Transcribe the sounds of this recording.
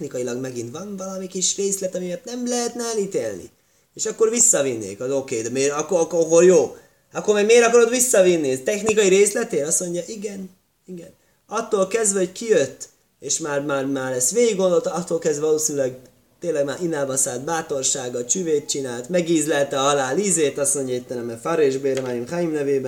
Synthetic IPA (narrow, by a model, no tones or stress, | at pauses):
nikɒilɒɡmɛɡint̪ʋɒnvɒlɒmikiʃreːslɛt̪ɒmiɛt̪nɛmlɛɦɛt̪naːliːt̪ḛːlnḭ | eːʃɒkːo̞rvisːɒvinːḛːkhɒzokeːd̪ɛmeːɾɒkːokoɦoljoː | ɒkːormɛɡmeːɾɒkɒɾot̪visːɒvinːit̪ɛxnikɒjiɾeːslɛt̪eːnɒsmo̞ɲɟɒʔiɡɛn | iɡɛn | ɒt̪ːoːlkɛzd̪vɛho̞ckijøt̪ː | eːʃmaːrmaːrmaːɾlɛsʋeːɡiɡːond̪o̞lt̪ɒt̪ːolkɛzd̪vɛvɒloːsinylɛɡ | t̪eːnlɛɡmaːɾʔinaːlvɒsaːlt̪̚baːt̪o̞rʃaːɡɒt͡ʃyveːt̪̚t͡ʃinaːlt̪mɛɡiːzlɛlt̪ɛɒlaːliːzeːt̪ɒsmo̞ɲɟɒit̪ːɛnɛmɛfaɾeːʒbeːɾmajimxajimnɛveːbɛn